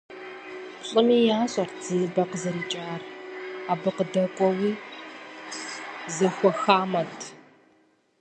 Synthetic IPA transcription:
pɬʼɨmiːjaːɕʼɐrd͡ziːbɐqəzɐɾiːt͡ʃʼaːraːbɨqədɐkʷʼɔwiː | zɐxʷɔxaːmɐtʰ

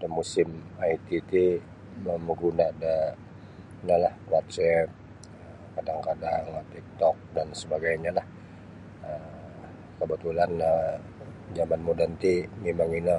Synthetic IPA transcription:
damusɪmajt̪it̪i | məməɡunada | nalahwat̪̚sɛp̚ | ə | kadaŋkadaŋt̪ik̚t̪ɔk̚dansəbaɡajɲalah | əm | kəbət̪ulana | d͡ʒamanmodant̪imemaŋina

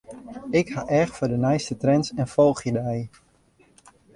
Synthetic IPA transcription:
ɪkhaʔɛxfʊdənɛjstətrɛnsɛnfolˠχjədɛj

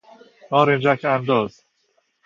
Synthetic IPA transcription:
ɒːɾend͡ʒækʰænd̪ɒːz̥

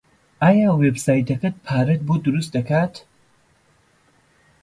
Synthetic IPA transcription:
ʔaːjaːwebsaːjt̪ɐkɐt̪̚pʰaːɾɐt̪̚bod̪ʊɾust̪̚d̪ɐkaːt̪

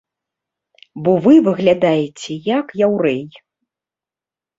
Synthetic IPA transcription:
bɔvɨvɨɣlʲad̪ajɛt͡sʲɛjakjawɾɛj

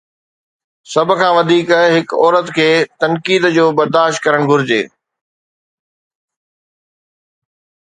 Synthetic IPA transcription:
sɐbʱʊ̆kʰãːʋɐd̪ʱiːkɦɪkɔːɾət̪kʰeːt̪ɐnkiːd̪d͡ʑoːbɐɾd̪aːʃt̪̚kɐɾəɽ̃ɡʱʊɾɪd͡ʑḛː

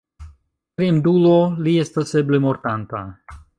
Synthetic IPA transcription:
kɾemduloliest̪aseblemoɾtanta

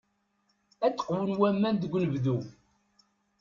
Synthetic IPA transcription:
æt͡sːə̥qwənwæmːænd̪əɡʷːnəvðu

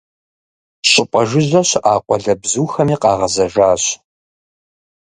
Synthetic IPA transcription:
ɕʼɪpʷʼɐʒɪʑɐɕʔaːqʷʼɔɮɐbzuːxɐmiːqʼɑːʁɐzɐʒaːɕ

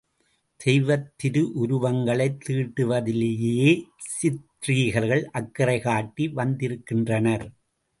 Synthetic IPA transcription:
d̪̥ɛjʋɐt̪ːɪɾɯʔʊɾʊʋɐŋɡɐɭɐɪt̪ːiːʈːɯʋɐðɪlejeeː | sɪt̪riːɣɐɾɣɐɭʔɐkːɪɾɐɪɣaːʈːiʋɐnd̪ɪɾɯkːɪndrɐnɐɾ

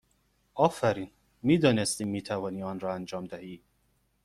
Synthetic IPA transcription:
ɒːfæɾiːn | miːd̪ɒːne̞st̪iːmːiːt̪ʰævɒːniːɒːnɾɒːænd͡ʒɒːmd̪æhiː

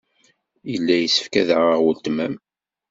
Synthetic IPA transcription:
jəlːæjəsə̥fkæðʁəʁwəlt̪mæm

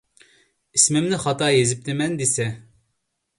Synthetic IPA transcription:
ismɪmnɪχɑt̪ɑjezɪp̚t̪ʰɪmɛnd̪esɛ

